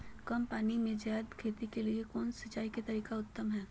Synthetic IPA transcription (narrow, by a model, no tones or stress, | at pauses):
kɐmpaːnimẽd͡ʒaːd̪kʰeːt̪ikeliekɔːnsɐt͡ʃːaːiket̪ɐɾiːkaʊt̪ːəmɦɛː